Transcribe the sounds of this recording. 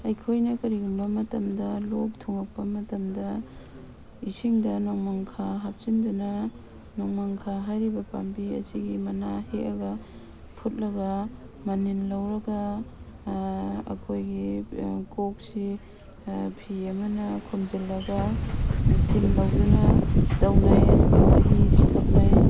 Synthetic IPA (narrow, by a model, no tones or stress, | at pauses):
ɐjkʰojnɐkɐɾiɡumbɐmɐtɐmdɐlok̚tʰuŋak̚pɐmɐtɐmdɐ | isiŋdɐnɔŋmaŋkʰaɦap̚sindunɐ | nɔŋmaŋkʰaɦajɾibɐpa̰mbiɐ̰ziɡimɐnaheɐɡɐ | pʰut̚lɐɡɐ | maninlawɾɐɡa | kʰojɡikok̚si | pʰiamɐnɐkʰumzilːɐɡa | stʰiŋlawdunɐdawnajaɦisitʰak̚naj